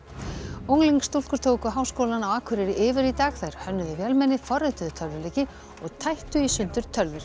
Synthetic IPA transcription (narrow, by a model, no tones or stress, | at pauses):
owŋliŋkst̪ulkʏɾ̥t̪ʰowkʏɦawskowlanawaːkʰʏɾɪɾɪʔɪːvɪɾit̪aːɣθajɾ̥hœnːʏðʏvjɛlmɛnːɪfɔrɪt̪ʏðʏt̪ʰœlvʏɾleːcɪ | ɔɣt̪ʰajht̪ʏisʏnt̪ʏɾ̥t̪ʰœlvɪɾ̥